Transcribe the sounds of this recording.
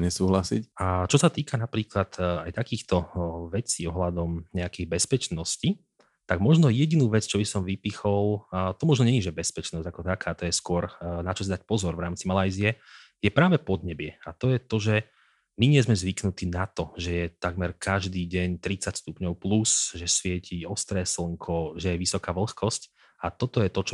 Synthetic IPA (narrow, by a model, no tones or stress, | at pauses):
ɲɛsuːɦlasḭcat͡ʃɔsat̪iːkanapɾiːklat̪ajt̪akiːxt̪ɔʋɛt͡siːɔɦlad̪ɔmɲɛakiɣbɛspɛt͡ʃnɔsci | t̪aɡmɔʒnɔjɛɟinuːʋɛt͡st͡ʃɔbisɔmʋipixɔlˠt̪ɔmɔʒnɔɲɛɲiʒɛbɛspɛt͡ʃnɔzɟakɔt̪akʰaːt̪ɔjɛskʊɔɾnat͡ʃɔs̬id̪ac̚pɔzɔɾvɾaːmt͡simalajziɛ | jɛpɾaːʋɛpɔd̪ɲɛbɪɛat̪ɔjɛt̪ɔʒɛ | miɲɪɛzmɛzʋiknut̪iːnat̪ɔʒɛjɛt̪aɡmɛɾkʰaʒd̪iːɟɛɲt̪ɾit͡sacst̪upɲɔʊplusʒɛsʋɪɛcʰiɔst̪ɾɛːsl̩ŋkʰɔʒɛjɛʋisɔkaːʋl̩xkɔsc | at̪ɔt̪ɔjɛt̪ɔt͡ʃɔ